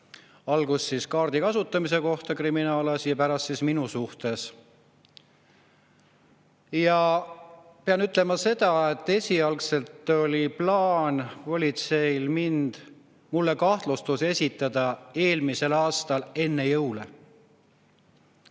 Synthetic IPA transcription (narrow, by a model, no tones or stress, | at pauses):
ɑlɡ̥usːiskɑːrd̪̥ikɑsut̪ːˑɑmis̬e̞ko̞ht̪ɑkriminɑːlɑsjɑpæɾɑst̪sisminusuht̪e̞s | jɑ | peɑnyt̪ːˑle̞mɑse̞d̪̥ɑet̪ˑːe̞sʲiɑlkse̞lt̪ːˑo̞lʲiplɑːnvo̞lʲit̪se̞ilmind̪̥ | mulːe̞kɑht̪lust̪use̞sʲit̪ːˑɑd̪̥ɑe̞ːlmise̞lɑːst̪ɑle̞nːe̞jɤwlḛ